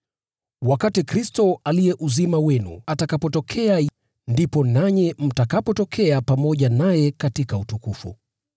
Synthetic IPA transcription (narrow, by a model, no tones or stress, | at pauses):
wakatikɾistɔalijɛʔuzimawɛnṵatakapɔtɔkʰɛa | ndipɔnaɲɛm̩takapɔtɔkʰɛapamɔʄanajɛkatikautukufṵ